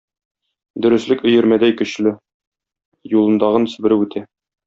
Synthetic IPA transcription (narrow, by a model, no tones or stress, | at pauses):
d̪ɵ̆ɾɘ̆slɘkɵ̆jɘ̆ɾmæd̪æjkɵ̆ɕlɘ | julˠɤ̆nd̪ɑʁɤnɵ̆sbɘ̆ɾɘʉt̪ʰæ